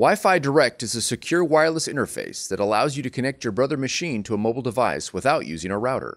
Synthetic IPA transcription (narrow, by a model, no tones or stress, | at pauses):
waɪfaɪdə˞ɛk̚tɨzɨsɨkʰj̥ʊɹwaɪ˞lˠəsɪ̰̃ɾ̃ə˞fḛɪsðɨɾəla̰ʊzjɨɾɨkʰɨnɛk̚t͡ʃɔ˞bɹʌðə˞mɨʃĩntʰəəmoʊbl̩ˠdəvaɪswəθaʊʔjʉ̰zɪ̃ŋə˞ɹaʊɾə̰˞